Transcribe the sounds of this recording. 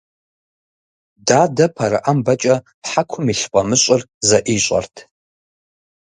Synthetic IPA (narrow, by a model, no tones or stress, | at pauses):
dadapʰaɾaʔambat͡ʃʼa | pħakʷʰʊmiɬqʷʼamɨɕʷʼʊrzaʔiɕʷʼa̰rtʰ